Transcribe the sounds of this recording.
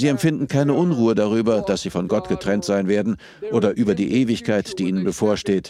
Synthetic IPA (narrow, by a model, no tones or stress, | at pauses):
ziːɛmfɪndn̩kʰaɪnəʔʊnʁuːədaʁ̞yːbɐd̥asz̥iːfɔnɡɔtɡ̥ətʁ̥ɛntz̥aɪnveːɐdn̩ | ʔoːdɐʔyːbɐdiːʔeːvɪçkʰaɪtd̥iːʔiːnənbəfoːɐʃteːt